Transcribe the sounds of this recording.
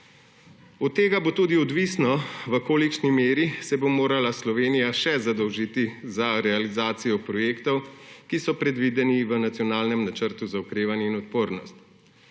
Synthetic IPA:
ɔt̪ːeːɡabot̪uːd̪iɔd̪ʋiːsnɔʋəkoːlikʃnimeːɾisɛbomoːɾalaslɔʋeːnijaʃɛzad̪ɔwʒiːt̪izaɾɛalizaːt̪sijɔpɾɔjeːkt̪ɔwkisɔpɾɛd̪ʋiːd̪ɛniʋənat̪sjɔnaːlnɛmnat͡ʃəɾt̪uzaukɾeːʋanjɛinɔt̪̚poːɾnɔ̰st̪

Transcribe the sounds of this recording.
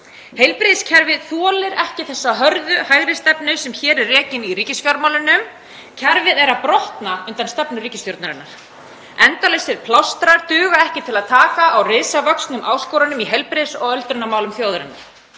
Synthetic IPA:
hejlpɾɪðscʰɛɾvɪðθɔːlɪɾɛhcɪθɛsːaɦœɾðʏhajɣɾɪst̪ɛpnʏsɛmçɛːɾɛrːɛːcɪniriːcɪsfjaɾmawlʏnːʏm | cʰɛɾvɪðɛɾapɾɔht̪naʏnt̪anst̪ɛpnʏriːcɪst̪joɾt̪naɾɪnːaɾ̥ | ɛnt̪alesɪɾ̥pʰlawst̪ɾaɾt̪ʏːɣaɛhcɪt̪ʰɪlaðt̪ʰaːkaːwrɪːsavœksnʏmʔaːwskɔwɾanʏmiɦɛjlpɾɪðsɔɣœlt̪ɾʏnːamaːwlʏmθjowðaɾɪnːa̰̥

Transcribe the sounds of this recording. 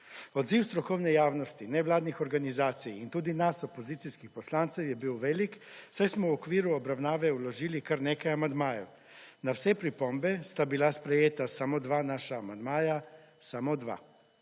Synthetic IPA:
ɔd̪ziwst̪ɾɔkɔwnɛjaːwnɔst̪inɛʋlaːd̪nixɔɾɡanizaːt̪sijint̪uːd̪inasɔpɔziːt̪siskixpɔslaːnt̪sɛwjɛbiwʋɛːliksajsmɔwɔkʋiːɾuɔbɾawnaːʋɛulɔʒiːlikaɾneːkajamand̪maːjɛw | nawsɛpɾipɔmbɛst̪abilaspɾɛjeːt̪asamod̪ʋaːnaːʃaːmand̪maːja | samod̪ʋa̰

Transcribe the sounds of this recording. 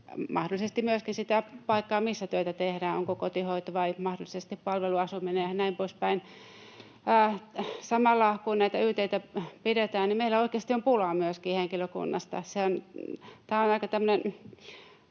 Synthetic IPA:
mɑhdolːˑisest̪imyøskinsit̪æpɑikːɑːmisːæt̪yøet̪æt̪ehɾæːnoŋkokot̪ihoit̪ɑʋɑimɑhdolːˑisest̪ippɑlʋeluɑsumineɑnæimpoispæin | sɑmɑlːɑkunnæit̪æyht̪eit̪æpidet̪æːnnimeilæoikˑeːst̪iompulɑmyøskiːheŋkiløkṵnːɑ̰st̪ɑ̰seont̪æːonɑikɑt̪æmːø̆nen

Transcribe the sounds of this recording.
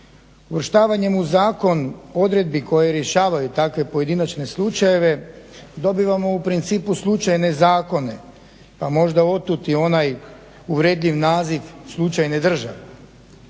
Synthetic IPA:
uʋr̩ʃt̪aːʋaɲe̞muzaːko̞no̞d̪ɾe̞d̪̚bikʰo̞jeɾje̞ʃaːʋajut̪akʋe̞po̞je̞d̪inat͡ʃne̞slˠut͡ʃaje̞ʋe̞d̪o̞biʋamo̞upɾint̪siːpuslˠut͡ʃajne̞zaːko̞ne̞ | pamo̞ʒd̪ao̞t̪ut̪io̞naj | uʋɾeːd̪ʎʲiʋnaːziʋslˠut͡ʃajne̞d̪r̩ʒa̰ʋe

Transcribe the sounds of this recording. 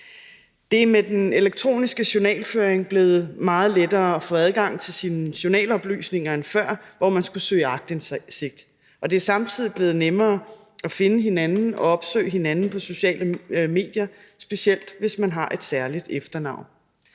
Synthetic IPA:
d̥e̝æɐmed̥ene̝leɡ̥̚t͡sʰʁo̝̰ːnisɡ̥əɕonɛ̰ːlføːɐeŋb̥le̝ːð̞̩ˠmɑ̈ːð̞̩ˠled̥ɐːɒfɔ̽æð̞ˠɡ̥ɑ̈ŋ̰t͡sʰe̝lsiːnəɕo̝nɛ̰ːlɒ̽b̥ly̰ːsne̝ŋɐenfɶɐ̰ʋɒmænsɡ̥usø̰ːɪɑ̈ɡ̥̚d̥ense̝ɡ̥̚d̥ | ʔɒ̽d̥e̝æɐsɑ̈mt͡sʰið̰ˠib̥le̝ːð̩ˠnemɐː | ɒfe̝nəɦe̝nænn̩ɒ̽ɒ̽b̥sø̰ːɪɦe̝nænn̩pʰɒ̽so̝ɕɛ̰ːləme̝̰ːd̥jɐ | sb̥e̝ɕiel̰d̥ʋe̝smænɦɑ̈ʔe̝d̥sæɐlid̥efd̥ɐnɑ̈ʊ̰n

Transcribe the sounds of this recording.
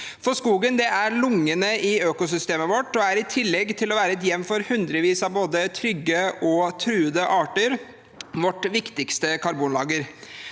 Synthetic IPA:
fɔʂkuːɡənd̪ɛæɾɭʊŋːənəʔɪøːkʊsʏst̪eːməʋɔʈːɔæɾɪt̪ʰɪlːɛɡːt̪ʰɪlɔʋæːɾəɛt̪̬jɛmmfɔɾhʉnd̪ɾəʋiːsɑʋboːd̪ət̪ʰɾʏɡːəɔt̪ʰɾʉːəd̪əʔɑːʈəɾ | ʋɔʈːʋɪkt̪ɪkst̪əkʰɑɾbuːnlɑːɡəɾ

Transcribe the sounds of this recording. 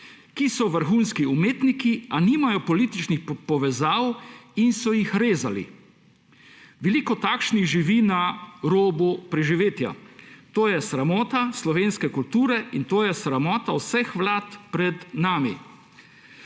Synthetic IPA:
kisɔʋəɾxunskiumeːt̪nikianiːmajɔpɔliːt̪it͡ʃnixpɔʋɛzaːwinsɔjixɾeːzalḭ | ʋɛliːkɔt̪aːkʃniɣʒiʋinaɾoːbupɾɛʒiʋeːt̪ja̰t̪oːjɛsɾamɔːt̪aslɔʋeːnskɛkult̪uːɾɛint̪oːjɛsɾamɔːt̪awsɛxʋlaːt̪pɾɛd̪naːmḭ

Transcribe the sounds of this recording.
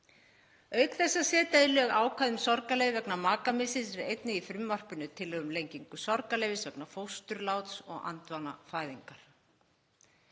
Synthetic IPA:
œːɥkθɛsːasɛːt̪aɪlœːɣaːwkʰvajðʏmsɔɾkaleːvvɛknamaːkamɪsɪsɪðejt̪nɪifɾʏmːar̥pʏnʏt̪ʰɪlːœːɣʏmlejɲciŋkʏsɔɾkaleːjvɪsvɛknafowst̪ʏɾlaːwt̪sɔɣa̰nt̪vana̰faːjðiŋkaɾ̥

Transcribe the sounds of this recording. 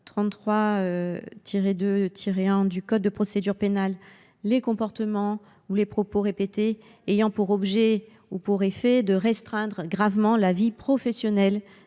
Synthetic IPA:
t̪χɑ̃t̪t̪ːχwaøt̪ʰiʁed̪øt̪ʰiʁeɛ̃d̪ykɔd̪̚ːəpχɔsed̪yʁpenalː | ekɔ̃pɔʁt̪əmɑ̃ | ulepχɔpoʁepet̪eː | jɑ̃puʁɔbʒɛ | upuʁefɛd̪əʁɛst̪χɛ̃d̪ʁɡʁavmɑ̃lavipχɔfɛsjɔnɛl

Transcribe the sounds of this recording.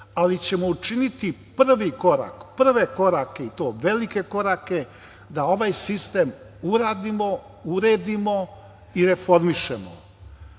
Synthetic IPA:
alit͡ɕe̞mo̞ut͡ʃinit̪ipr̩ʋiko̞ɾa̰kpr̩ʋe̞ko̞ɾake̞it̪o̞ːʋe̞like̞ko̞ɾake̞ | d̪ao̞ʋaːjsist̪e̞ːm | uɾaːd̪imo̞ | uɾe̞ːd̪imo̞ | iɾe̞fo̞ɾmiʃe̞̰mo̰

